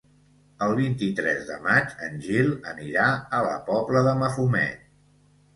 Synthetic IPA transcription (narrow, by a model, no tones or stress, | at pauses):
əlˠβ̞int̪it̪ɾɛzðə̰mat͡ʃənʲʒilˠəniɾaələ̰pɔbləðəməfumɛ̰t̪